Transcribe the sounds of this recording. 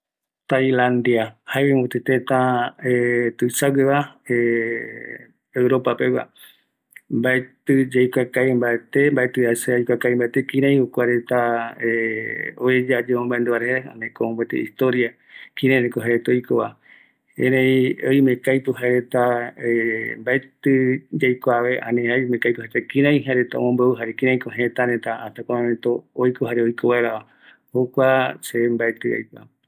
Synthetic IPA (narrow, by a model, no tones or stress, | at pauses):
t̪ajlãnd̪iahaeβẽmot̪et̪et̪ãet̪ɨsaɡeβae | ewɾopapewa̰ | mbaet̪ɨd͡ʒejkʷakajmbaet̪embaet̪ɨasejkʷakaimbaet̪ekĩɾẽj̃ukʷaɾet̪aeoed͡ʒad͡ʒeõmbaend̪uβaɾehea̰nẽkõmbet̪ḛist̪oɾia | kĩɾãj̃ɾekoɦaɾet̪ojkoβa | ḛ̃ɾẽĩojmẽkajpɨɦaɾet̪aembaet̪ɨd͡ʒajkoaʋeʔã̰nẽamẽkajpuhaɾet̪akĩɾãj̃ɦaɾet̪ao̰mõmbeuɦaɾekĩɾ̃ãj̃kõɦẽt̪aɾet̪aat̪akʷaɾãmẽt̪oːjkoɦaɾeojkoβaeɾaβa | hokʷasembaet̪ɨa̰jkʷa̰